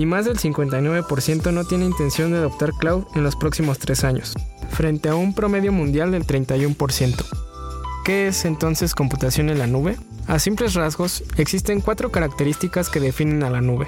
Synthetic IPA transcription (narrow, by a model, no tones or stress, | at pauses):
imazðe̞lsiŋkwe̞nt̪ajnwe̞βe̞po̞ɾsje̞nt̪o̞no̞t̪je̞neint̪e̞nsjo̞nd̪eaðo̞p̚t̪aɾklawðe̞nlo̞spɾo̞ksimo̞st̪ɾe̞saɲo̞̰sfɾe̞nt̪e̞aumpɾo̞me̞ðjo̞mũnd̪jald̪e̞lt̪ɾe̞jnt̪ajumpo̞ɾsje̞nt̪o̥ | ke̞esent̪o̞nse̞sko̞mput̪asjo̞ne̞nlanuβe̞ | asimple̞zrazɣo̞se̞ksist̪e̞ŋkwat̪ɾo̞kaɾak̚t̪e̞ɾist̪ikaske̞ðe̞fine̞nalanuβe̞